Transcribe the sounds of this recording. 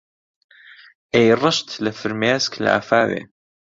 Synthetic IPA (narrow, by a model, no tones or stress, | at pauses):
ʔejrˤɑʃt̪lafɪɾmjaːskʰl̰ʔa̰faːwḭ